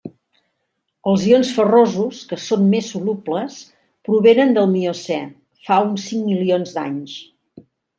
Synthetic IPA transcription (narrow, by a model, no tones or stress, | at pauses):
əlˠzionsfərozuskəsonmesulupləs | pɾuβenənd̪əlˠmiosɛ | faunsiŋmilionzd̪a̰ɲs